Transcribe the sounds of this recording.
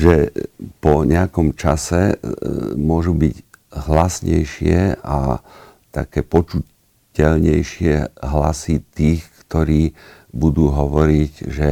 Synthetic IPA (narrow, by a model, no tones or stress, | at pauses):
ʒɛpɔɲɛakɔmt͡ʃasɛ | mʊɔʒubiɟɦlasɲɛ̰jʃɪɛa̰ | t̪a̰kɛːpɔt͡ʃu | cɛlɲɛjʃɪɛɦla̰sit̪iːxkt̪ɔɾiː | bud̪uːɦɔʋɔɾiɟʒɛ